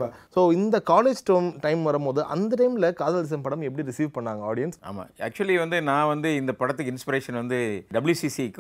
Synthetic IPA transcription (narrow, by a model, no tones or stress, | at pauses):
asoːɪnd̪ɐkaːleːd͡ʒʈɐːmʈɐɪmʋɐɾɐmpoːðɯʔɐ̰nd̪ɐʈɐɪmɪlɐkaːðaːlɪs̬ɐmpɐɽɐmɛp̬ːɐɽiɾɪsiːʋpɐɳːaːŋɡɐaːɽɪjɐnsa̰ːma̰ːɐ̰ːk̚t͡ʃʊɐliʋɐnd̪ɯnãːʋɐnd̪ɯɪnd̪ɐpɐɽɐt̪ːɯkːɪnspɪɾeːʂɐnʋɐnd̪ɯɖɐbɐljusisikː